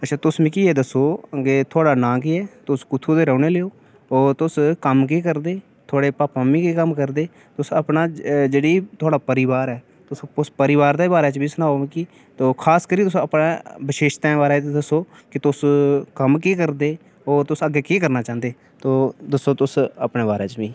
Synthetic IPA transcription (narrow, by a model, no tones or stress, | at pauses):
ətːʃʰaːt̪ʊsmĩːkiːeːd̪əsoːəɡeːt̪ʰʊaːɽaːnãːkiːɛːt̪ʊskʊt̪ʰuːd̪eːɾɛːneːleːoː | ɔːt̪ʊskəmk̬eːkəɾd̪eː | t̪ʰaːɽeːpaːpãːmĩːkeːkəmkəɾd̪eː | t̪ʊsəpnaːd͡ʒeːɽiːt̪ʊaːɽaːpəɾɪʋaːɾɛː | t̪ʊsʊspəɾɪʋaːɾd̪eːbaːɾɛːt͡ʃbiːsənaːoʋẽːkiː | t̪oːkʰaːskəɾiːt̪ʊsõːəpnaːbɪʃeːʃt̪ɛ̃ːʋaːɾat̪ed̪əsoː | kɪt̪ʊskəmkeːkəɾd̪eː | ɔːɾt̪ʊsəɡeːkeːkəɾnaːt͡ʃãːnd̪eː | t̪oːd̪əsːoːt̪ʊsə̰pneːbaːɾeːt͡ʃbiː